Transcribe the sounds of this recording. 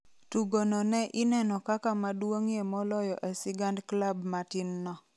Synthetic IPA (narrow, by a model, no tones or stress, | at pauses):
tuɡonɔnɛʔɪnɛnɔkakamadwoŋjemɔlɔjɔʔesɪɡandklabmatɪnːɔ